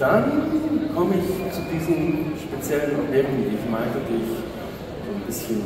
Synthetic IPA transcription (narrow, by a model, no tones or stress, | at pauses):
d̥ankʰɔməɪçt͡sudiːzənʃpet͡sjɛlənleːməŋ̩diːɪçmaɪtədɪç | zoːnbɪsçən